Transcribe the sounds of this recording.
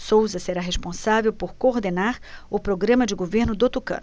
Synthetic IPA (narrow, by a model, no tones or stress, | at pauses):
sowzɐseɾaɦeʃpõsavewpoɾkoɾd̪enaɾʊpɾoɡɾɐ̃mɐd͡ʒɪɡoveɾnʊd̪ot̪ukɐ̰̃